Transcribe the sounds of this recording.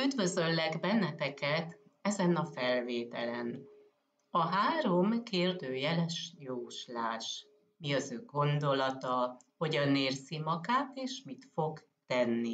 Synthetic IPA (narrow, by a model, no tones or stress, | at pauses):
yd̪vø̞zø̞lːɛɡbɛnːɛt̪ɛkɛt̪ | ɛzɛnɒfɛlveːt̪ɛ̰lɛn | ɒɦaːɾo̞mkeːrd̪øːjɛlɛʃjoːʃlaːʃ | miɒzøːɡo̞nd̪o̞lɒt̪ɒho̞ɟɒneːrzimɒɡaːt̪eːʃmit̪fo̞ɡ | t̪ɛnːi